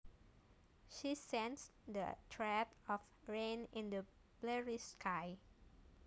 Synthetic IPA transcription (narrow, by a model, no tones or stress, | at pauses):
ʃisɛ̃nsdə̰tʰɹɛtɔf | ɹẽnɪ̃ndə | blɛɹiskʰaj